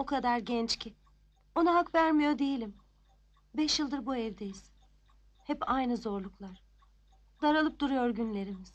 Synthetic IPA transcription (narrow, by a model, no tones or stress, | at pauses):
o̞kʰad̪aɾɟɛnt͡ʃcʰi | o̞naɦakvæɾmijo̞d̪ejilʲim | bɛʃjɯlˠd̪ɯɾbuɛvd̪ejiz̥ | hɛpajnɯzo̞ɾlˠuklˠaɾ̥ | d̪aɾalˠɯp̚d̪uɾujo̞ɾɟynlʲe̞ɾimiz̥